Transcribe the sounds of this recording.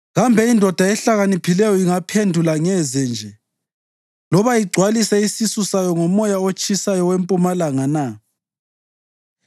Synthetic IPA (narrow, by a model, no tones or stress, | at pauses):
ɣambʱɛindʱɔd̥ʱaɛɬaɣanipʰilɛjɔiŋapʰendʱulaŋɛzɛnd͡ʒʱɛ | lɔβaiɡ͡ǀʱwalisɛisisusajɔŋɔmɔjaot͡ʃʼisajɔwempʼumalaŋana